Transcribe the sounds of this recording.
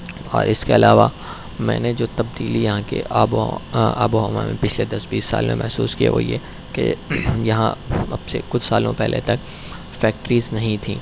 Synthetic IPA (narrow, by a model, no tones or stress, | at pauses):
ɔːɾʔɪskeɐlaːʋa | mɛ̰̃ːned͡ʒoːt̪ɐbd̪iːlijɐɦãkḛʔab | bomãmẽpɪt͡ʃʰled̪ɐsbiːsːa̰ːlomḛ̃mʔɛɦsuːskia̰ʋo̰je | kḛjɐɦã̰ɐbsekʊt͡ʃʰsaːlõ̰pɛɦlʔet̪ɐk | fɛːk̚ʈɾiːznɐɦĩt̪ʰĩː